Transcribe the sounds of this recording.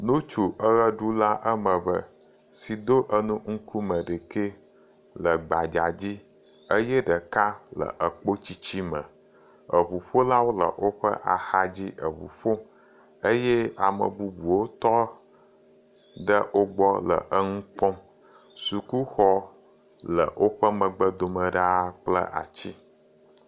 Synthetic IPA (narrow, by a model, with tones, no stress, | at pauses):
nũ˦t͡ʃu˨ʔə˦ɣə˦ɖu˦la˦ʔə˦mə˨bə˦ | si˨d̪o˦ʔə˦nũ˦ŋ̩˦ku˦mə˨ɖe˨ke˦ | lə˨ɡ͡ba˨d͡ʒa˨d͡ʑi˦ | ə˦jɛ˦ɖə˨ka˦lə̰˨ʔə˨k͡po˦t͡ɕi˦t͡ɕi˦mə̃˨ | ə˨βu˨ɸo˦la˦wo˦lə̰˨ʔo˦ɸə̰˦ʔa̰˨xa˦d͡ʑi˦ʔə˨βṵ˨ɸo˦ | ə˦jɛ˦a˨mə̰˨bu˦bu˨wo˦t̪ɔ˦ | ɖə˦ʔo˦ɡ͡bɔ˦lə̰˨ʔə˦ŋũ˦k͡pɔ˦m | su˨ku˦xɔ˦ | lə˨wʔo˦ɸə˦mə̃˨ɡ͡bə˦d̪o˨mə˨ɖa˦k͡plə̰˦ʔa̰˨t͡ɕi˦